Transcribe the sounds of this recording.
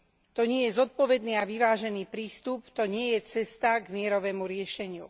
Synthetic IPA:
t̪ɔɲɪɛjɛzɔt̪̚pɔʋɛd̪niːaʋiʋaːʒɛniːpɾiːst̪upt̪ɔɲɪɛjɛt͡sɛst̪aɡmɪɛɾɔʋɛːmuɾɪɛʃɛɲɪṵ

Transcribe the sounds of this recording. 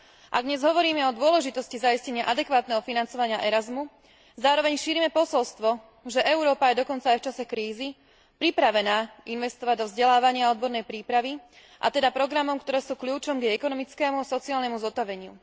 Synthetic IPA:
ʔa̰ɡ̚d̪ɲɛzɦɔʋɔɾiːmɛɔd̪ʊɔlɛʒit̪ɔscizaiscɛɲɪaʔad̪ɛkʋaːt̪nɛːɦɔfinant͡sɔʋaɲɪaʔɛɾazmu | zaːɾɔʋɛɲʃiːɾiːmɛpɔsɔlst̪ʋɔ | ʒɛʔɛʊɾɔːpajɛd̪ɔkɔnt͡saːjft͡ʃasɛkɾiːzi | pɾipɾaʋɛnaːinʋɛst̪ɔʋaɟd̪ɔvzɟɛlaːʋaɲɪaɔd̪̚bɔɾnɛjpɾiːpɾaʋi | ʔa̰t̪ɛd̪apɾɔɡɾamɔmkt̪ɔɾɛːsuːkʎʲuːt͡ʃɔmɡjɛɛkɔnɔmit͡skɛːmuasɔt͡siaːlnɛmuzɔt̪aʋɛɲɪṵ

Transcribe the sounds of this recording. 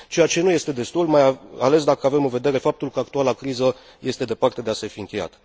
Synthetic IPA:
t͡ʃe̞jat͡ʃe̞nuje̞st̪e̞d̪e̞st̪ulmajaale̞sd̪akəave̞mɨnve̞d̪e̞ɾe̞fap̚t̪ulkəak̚t̪ualakɾizə | je̞st̪e̞d̪e̞part̪e̞d̪ease̞fiɨŋkʲe̞ja̰t̪

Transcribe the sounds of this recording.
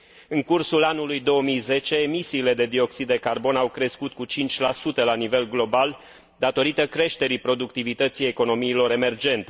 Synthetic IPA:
ɨŋkursulanulujd̪o̞əmijze̞t͡ʃe̞ːmisiːle̞d̪e̞d̪io̞ksid̪ːe̞karbo̞nawkɾe̞skut̪̚kut͡ʃint͡ʃʲlasut̪əlanive̞lɡlo̞bal | d̪at̪o̞ɾit̪əkɾe̞ʃt̪e̞ɾipɾo̞d̪ukt̪ivit̪ət̪sijeko̞no̞miːlo̞ɾe̞me̞rd͡ʒe̞nt̪e̞

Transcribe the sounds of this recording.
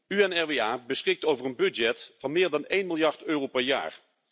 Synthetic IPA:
yɛnɛɹʋeaːbəsχɪk̚towvərənbɵdd͡ʒɛtfɑnmɪːɹdɑnejnmɪlˠjɑɹtøːrowpɛɹja̰ːɹ

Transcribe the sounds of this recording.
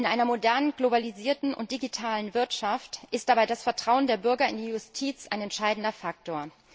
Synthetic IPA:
ʔɪnʔaɪnɐmodɛɐnənɡlobaliziːɐtn̩ʔʊ̰nt̚d̥iɡitʰaːlənvɪɐtʃaftʔɪstd̥abaɪdasfɛɐtʁ̥aʊəndeːɐbʏɐɡɐɪ̰ndiːjʊstʰiːt͡sʔaɪnɛntʃaɪdn̩dɐfak̚toːɐ

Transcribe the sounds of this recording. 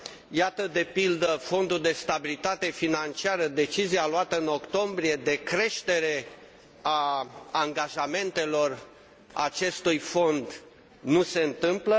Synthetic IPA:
jat̪əd̪e̞pild̪əfo̞nd̪uld̪e̞st̪abilit̪at̪e̞finant͡ʃiaɾəd̪e̞t͡ʃizialoat̪əɨno̞kt̪o̞mbɾie̞d̪e̞kɾe̞ʃt̪e̞ɾe̞ | aaŋɡaʒame̞nt̪e̞lo̞r | a̰t͡ʃe̞st̪ujfo̞nd̪ | nuse̞ɨnt̪ɨmplə

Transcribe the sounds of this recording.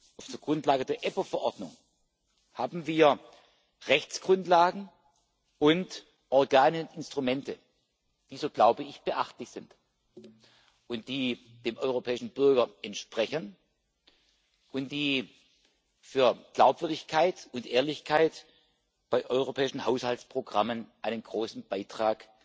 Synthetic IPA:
ʔaʊfd̥eːɐɡ̥ʁʊntlaːɡədeːɐʔɛpofɛɐʔɔɐdnʊ̰ŋ | haːbm̩viːɐ | ʁɛçt͡sɡ̥ʁʊntlaːɡŋ̩ | ʔʊnt | ʔɔɐɡaːnəʊnɪnstʁ̥umɛntə | d̥iːzoːɡ̥laʊbəɪçb̥əʔaχtlɪçz̥ɪnt | ʔʊnt̚d̥iː | d̥eːmʔɔʏʁ̞opʰɛːɪʃn̩bʏɐɡɐʔɛntʃpʁ̥ɛçən | ʔʊntd̥iː | fyːɐɡ̥laʊpv̥ʏɐdɪçkʰaɪtʊntʔeːɐlɪçkʰaɪt | b̥aɪʔɔʏʁopʰɛːɪʃn̩haʊshaltt͡spʁ̥oɡʁamənʔaɪnənɡʁoːsn̩b̥aɪtʁ̥aːk

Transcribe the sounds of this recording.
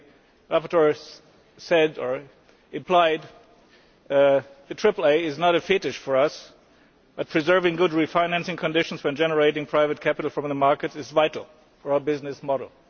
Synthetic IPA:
ɹæpə˞tʰə˞ | sɛdə˞ | ɨ̃mpʰl̥aɪd̪ | ðɨtʰɹ̥ɪpl̩ˠeɪɪznəɾɨfɪɾɨʃfə˞ʌs | b̥ʌt̚pʰɹ̥izɜ˞vɪ̃ŋɡʊd̚ɹifãɪ̃næ̃nsɪ̃ŋkʰɨ̃ndɪʃn̩zwɛ̃nd͡ʒɛnə˞eɪɾɪ̃ŋpʰɹ̥aɪvɨt̚kʰæpɨɾl̩ˠfɹʌ̃mðəmɑɹkɨɾɨzvaɪɾl̩ˠ | fə˞aʊə˞bɪznɨsmɔɾl̩ˠ

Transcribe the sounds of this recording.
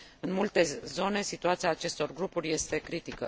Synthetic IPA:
ɨnmult̪e̞zo̞ne̞sit̪uat̪siaːt͡ʃe̞st̪o̞rɡɾupuɾʲje̞st̪e̞kɾit̪ikə̰

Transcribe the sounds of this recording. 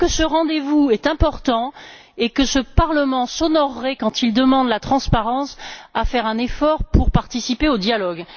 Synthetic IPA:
kəsəʁɑ̃d̪evuɛt̪ɛ̃pɔʁt̪ɑ̃ | ekəsəpaʁləmɑ̃sɔnɔʁːɛkɑ̃t̪ild̪əmɑ̃d̪lat̪χɑ̃spaʁɑ̃safɛʁɛ̃nefɔʁpuʁpaʁt̪isipeod̪jalɔɡ

